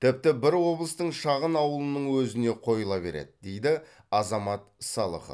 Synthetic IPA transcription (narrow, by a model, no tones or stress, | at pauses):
t̪ʰɪp̚t̪ɪbɪɾwo̞blˠəst̪əɴʃɑʁənɑwəlˠənəɴwɵzɪne̞qʰo̞jəlˠɑbe̞̰ɾe̞̰d̪ɪd̪e̞jd̪ɪ | ɑzɑmɑt̪sɑlˠə̰χə̰